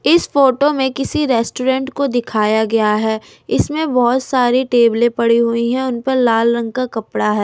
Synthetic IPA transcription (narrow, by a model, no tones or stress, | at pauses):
ɪsfoːʈomẽkɪsiɾɛːsʈoːɾɛ̃ɳʈkod̪ɪkʰaːjaɡɐjaɦɛː | ɪsmẽbɔɦʊt̪saːɾiʈeːblẽpɐɽiɦʊiɦɛ̃ʊnpɐɾlaːlɾɐ̃ŋɡ̚kakɐpɽaɦɛː